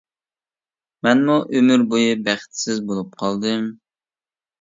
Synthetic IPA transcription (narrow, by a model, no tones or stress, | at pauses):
mɛnmuʔømyɾbojɨbæχt̪sɪzbolˠup̚qʰɑlˠd̪ɨm